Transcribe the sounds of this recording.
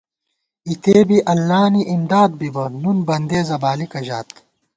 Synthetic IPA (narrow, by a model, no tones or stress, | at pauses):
it̪ʰeːbiʔɐlːaːniʔimd̪aːd̪̚bibɐnunbɐnd̪eːzɐbaːlikɐʑaːt̪̚